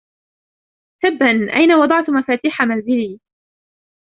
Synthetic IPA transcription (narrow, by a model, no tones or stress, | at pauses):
θabːanʔajnawɑd̪ˤɑʕt̪ʊmafaːt̪iːħamanzɪliː